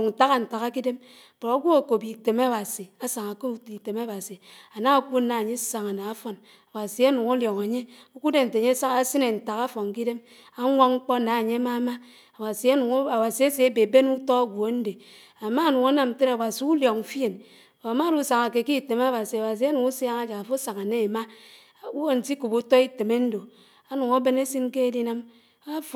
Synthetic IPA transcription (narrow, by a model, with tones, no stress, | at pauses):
n̩˨ta˦ɣa˨n̩˨ta˨ɣa˦ki˦de˦m˨ | bo˨a˦ɡʷo˦a˨ko˨bi˨te˨ma˦ba˨si˨a˦sa˨ŋa˨ke˦i˨te˨ma˦ba˨si˨a˨na˦a˨ku˦na˨ɲe˦sa˨ŋa˨na˨˦fo˦n | a˨ba˨si˨a˦nu˨ŋa˦ljɔ˨ŋa˨ɲe˦o˦ku˦de˦n̩˨tɲe˦sa˦a˦si˦ne˨n̩˨ta˨ka˦fo˨ŋ˨k̬i˦de˦m | a˦ŋʷa˦ŋŋ͡m̩˦k͡pɔ˦na˨a˨ɲe˦a˦ma˦ma˦ | a˨wa˨si˨a˦nu˨ŋ˦a˨wa˨si˨e˦se˨e˦be˨be˦nu˦tɔ˦a˦ɡʷo˨˦n̩˦de˨ | a˨ma˦˨nu˨ŋa˦na˨m̩˨te˦ɾa˨wa˨si˨u˦ljɔ˨ŋ˨˦fi˦e˨n˨ | a˨ma˦du˦˨˦sa˨ŋa˨ke˨ki˦˨te˨m˦a˦ba˨si˨a˨wa˨s̬i˨a˦nu˨ŋu˦sja˦ŋa˦d͡ʒa˨ka˨fo˦sa˨ŋa˨ne˦e˨ma˦˨ | u˦wo˦n̩˨ti˦ku˨bu˦tɔ˦i˦te˨me˦n̩˦do˨ | a˦nu˨ŋa˦be˦ne˦si˦n˦ke˦e˦di˦na˦m | a˦f